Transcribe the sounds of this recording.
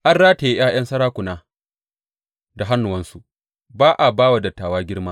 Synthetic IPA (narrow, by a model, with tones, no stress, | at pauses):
ʔa˦nɽaː˦ta˨ji˦j̰aː˦j̰ɐ˦nsɐ˦ɽaː˦kʷʊ˨naː˦ | da˨ɦa˦nːʊ˨wɐ˦nsu˨ | baː˦ʔa˨baː˦wa˨dɐ˨tːaː˨waː˦ɡʲɪ˦ɽmaː˦